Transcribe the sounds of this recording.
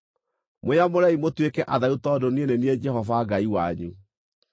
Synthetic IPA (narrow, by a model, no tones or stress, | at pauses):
mweamoɾaimotwekɛʔaðautɔdonienenied͡ʒɛɦɔvaɡaiwaɲu